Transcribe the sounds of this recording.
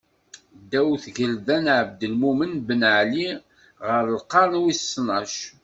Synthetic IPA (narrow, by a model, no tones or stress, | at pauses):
d̪æwθʝəlðænʕəb̚d̪əlmumənbənʕli | ʁəɾəlqɑɾˤnwissnɑʃ